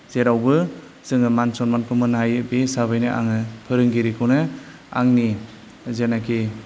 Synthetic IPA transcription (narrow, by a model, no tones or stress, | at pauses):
z̥eɾawbɯ | z̥ɯŋɯmansɔnmankʰɯmɯnɦajɯbesaβɯjnɯʔa̰ŋɯpʰɯɾɯŋɡiɾikʰɯwnɯ | a̰ŋni | zenakʰi